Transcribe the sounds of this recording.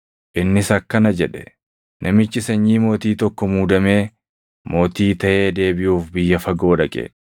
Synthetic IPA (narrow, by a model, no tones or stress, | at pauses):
ʔɪnːɪsɐkːɐnɐd͡ʒɛᶑɛ̥ | nʔɐmɪt͡ʃːɪsɐɲːiːmo̞ːt̪iːt̪ɔkːɔmuːd̪ɐme̞ː | mo̞ːt̪iːt̪ɐʔe̞ːd̪e̞ːbɪjuːfbɪjːɐfɐɡo̞ːᶑɐkʼɛ̰